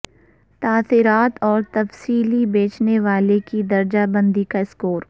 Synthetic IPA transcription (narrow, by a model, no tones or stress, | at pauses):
t̪aːθɪɾaːt̪ɔːɾt̪ɐfsiːlibeːt͡ʃneʋaːlekid̪ɐɾd͡ʒabə̃nd̪ikaɪskoːɾ